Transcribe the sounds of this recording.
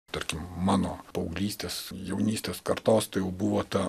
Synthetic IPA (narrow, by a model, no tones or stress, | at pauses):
t̪ɐɾʲkʲɪmmɑːnoːpɐʊɡlʲiːsʲt̪ʲeːsjɛʊnʲiːsʲt̪ʲeːskɐɾt̪oːst̪ɐɪjɛʊbuʋoːt̪ɐ